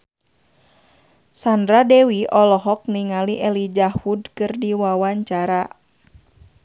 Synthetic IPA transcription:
sandɾadɛwiʔɔlɔɦɔk̚niŋaliʔɛlid͡ʒahudkɨrdiwawaɲt͡ʃaɾa

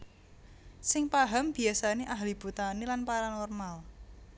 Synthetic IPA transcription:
sɪŋpaɦamb̥i̤asaneʔaɦlib̥ut̪anilanpaɾanɔrmal

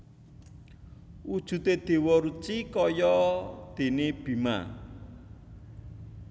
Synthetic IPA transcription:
ʔud̥ʒ̥ṳt̪ed̪̥e̤wɔɾut͡ʃikɔjɔd̪̥e̤neb̥i̤ma̰

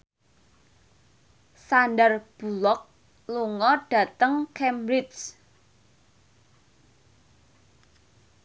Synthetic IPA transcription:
sanɖərb̥ṳlɔk̚ | luŋɔɖ̥ä̤t̪əŋkɛmbɾɪt͡ʃ

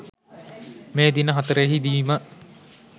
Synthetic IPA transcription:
meːd̪inəɦat̪əɾəjeɦid̪iːmə

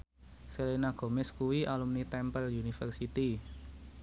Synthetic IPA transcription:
selenaɡ̥o̤mɛskuwiʔalumnit̪ɛmpəldiunifərsit̪i

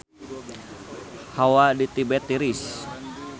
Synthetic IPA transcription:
hawadit̪ibɛt̪iɾis

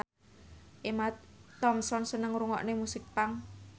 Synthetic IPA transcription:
ʔemat̪ɔmsɔnsənəŋɾuŋɔ̰ʔnemusɪk̚paŋ

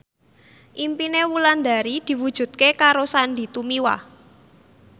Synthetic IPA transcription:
ʔimpinewuland̪a̤ɾid̪̥i̤wud̥ʒ̥ṳt̪̚kekaɾosanɖ̪i̤t̪umiwa̰

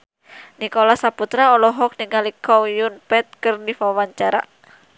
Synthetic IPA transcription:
nikɔlasaput̪ɾaɔlɔɦɔk̚niŋalikʰɔjunpɛt̪̚kɨrdifawaɲt͡ʃaɾa̰

